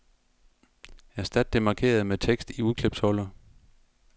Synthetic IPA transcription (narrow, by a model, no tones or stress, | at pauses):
jæɐsd̥æd̥̚ːe̝mɑ̈kʰe̝̰ːɐð̞̩ˠmet͡sʰeɡ̥sd̥iuðˠkʰleb̥shɒlɐ